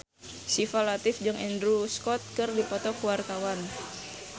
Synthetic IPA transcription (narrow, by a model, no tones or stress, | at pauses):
sifalat̪ɪfd͡ʒɨŋɛndɾuskɔt̪̚kɨrdipɔt̪ɔkuwart̪awan